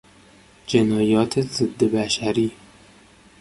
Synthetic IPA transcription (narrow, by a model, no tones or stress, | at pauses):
d͡ʒɪnɑːjɑːt̪ʰezɨd̪ːebæʃæɾiː